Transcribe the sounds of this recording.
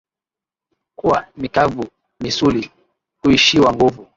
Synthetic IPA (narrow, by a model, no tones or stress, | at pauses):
kuwamikavu | misuli | huiʃiwaŋɡuvu